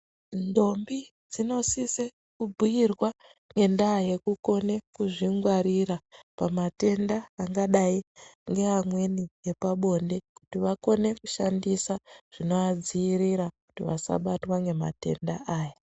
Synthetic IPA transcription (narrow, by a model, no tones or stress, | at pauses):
ndo̞mbi | d͡zino̞sise | kubʱujirwa | ŋɡe̞ndaje̞kuko̞ne̞kuʐiŋɡwaɾiɾapamate̞ndaːŋɡaɗaiŋɡe̞ɦamwe̞nije̞paɓo̞nde̞kutiʋako̞ne̞kuʃandisaʐ̥ino̞ad͡ziːriɾaku̥tiʋa̰sa̰ɓatwaŋɡe̞ma̰te̞̰ndaʔaːja